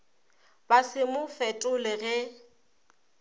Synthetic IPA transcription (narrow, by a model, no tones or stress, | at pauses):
basɪmʊfɛtʼʊlɪɣɛ